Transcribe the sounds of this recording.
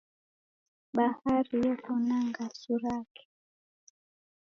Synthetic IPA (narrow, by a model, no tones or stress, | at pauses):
bahaɾijɛkɔnaŋɡasuɾakɛ̥